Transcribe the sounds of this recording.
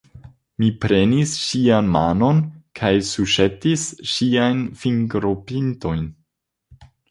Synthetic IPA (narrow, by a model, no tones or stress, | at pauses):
mipɾenisʃianma̰no̞nkʰajsuʃetisʃiajnfiŋɡɾopinto̞jn